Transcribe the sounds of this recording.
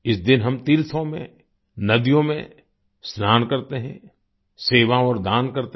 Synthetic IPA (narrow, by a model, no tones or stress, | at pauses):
ɪsd̪ɪnɦɐmt̪iːɾt̪ʰõmḛ̃ | nɐd̪ijõmẽ | snaːnkɐɾt̪eɦɛ̰̃ | seːʋaɔːɾd̪aːnkɐɾt̪e